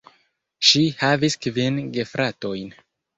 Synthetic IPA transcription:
ʃihaviskvinɡefɾʔato̞jn

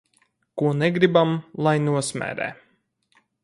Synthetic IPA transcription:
kuɔnɛɡɾibamlˠajnuɔsmʲɛ̰ːɾɛ̰ː

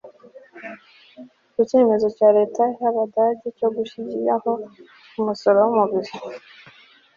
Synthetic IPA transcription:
kit͡ʃe̞ːme̞zo̞t͡ʃaɾe̞ːtʰaɦaβadaɟecoɡuʃiɟḭaho | kumusoɾomuβiɾi

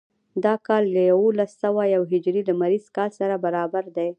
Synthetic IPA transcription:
d̪ɑkɑlːəjawolasːawajawɦɪd͡ʒɾiləmaɾiz̥kɑlsaɾabaɾɑbaɾd̪aj

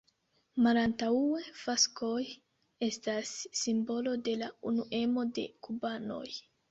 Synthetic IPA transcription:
malantaue̞faskʰo̞j | e̞stasːimbo̞lo̞de̞launuʔe̞mode̞̰kubano̞̰j

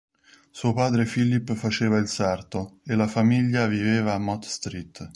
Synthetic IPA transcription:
suːopaːd̪ɾefilːipːfat͡ʃeːvailsart̪oelːafamiʎːaviveːvaːmːɔt̪st̪ɾit̪ː

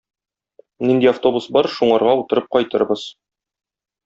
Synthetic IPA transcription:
nind̪iaft̪o̞busbɒɾʃuɴɑɾʁɑut̪ɤ̆ɾɤp̚qɒjt̪ɤ̰̆ɾbɤz̥

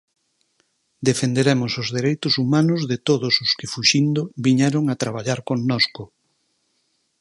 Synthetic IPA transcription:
d̪efend̪eɾemʊsʊzðeɾejt̪ʊsumanʊzðet̪oðʊsʊskɪfuʃind̪ʊβiɲɛɾoŋat̪ɾaβ̞aʎaɾkoŋnɔskʊ

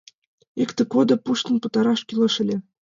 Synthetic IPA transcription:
ikt̪ɘ̆kod̪ɤ̆puʃt̪ɤ̆npɤ̆t̪ɑɾɑʃkʲilˠɤ̆ʃɘ̆lʲĕ

